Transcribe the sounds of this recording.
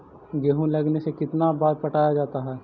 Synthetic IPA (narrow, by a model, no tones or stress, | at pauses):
ɡeɦũlɐɡnesekɪt̪nabaːɾpɐʈaːjad͡ʒaːt̪aɦɛː